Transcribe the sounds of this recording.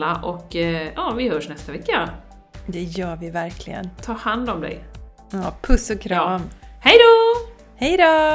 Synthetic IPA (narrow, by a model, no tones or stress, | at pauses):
aʔɔkjɑːvɪhœːʂnɛst̪avɛkːa | d̪ɛjœːɾvɪvæɾkʰlɪ̰ɡə̰nt̪ʰɑːhand̪ɔmd̪ɛ̰j | ɑːpʰɵsɔkʰɾɑːmhɛjd̪o | hɛjd̪oː